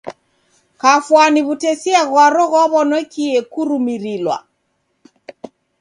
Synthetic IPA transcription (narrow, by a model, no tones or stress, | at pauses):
kafwaniβutɛsiaɣwaɾɔɣɔβɔnwɛkiɛkuɾumiɾilwa̰